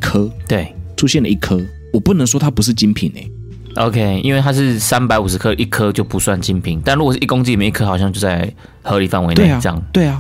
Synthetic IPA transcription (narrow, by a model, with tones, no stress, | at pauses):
kʰə˥t̪we˥˩ɪʈ͡ʂʰu˦˥ɕjɛ˥˩nlə˨˩i˥˩kʰə˥ | wɔ˨˩pu˥˩˨nə˧˦ŋswɔ˥t̪ʰa˥pu˧˦ʂ̬ɻ̩˥˨t͡ɕi˦˥npʰi˨˩ŋḛ˨˩˦ | ʔo˧˦ʊkʰe˦ɪḭ˧˥nwe˥˩t̪ʰa˥ʂ̬ɻ̩˥˩sa˦npa˧˥ɪu˨˩ʂ̬ɻ̩˨˦kʰɤ˥˦ʔi˥˩kʰə˦t͡ɕjo˥˩ʊpu˨˦swa˥˨˩nt͡ɕi˦˥npʰi˨˦ŋt̪a˥nɻu˥˩ɡo˨˩ʂ̩˥˧ʔi˥˩ko˥ŋt͡ɕi˥˨i˨ji˥˧kʰɤ˥xɑ˨ʊɕjɑ˥˧ŋt͡ɕjt͡sa˥˩ɪ | xɤ˧˦li˨˩fa˥˩nwe˧˦ɪne˥˧˨t͡ɕŋt̪we˥˩ɪɐ˩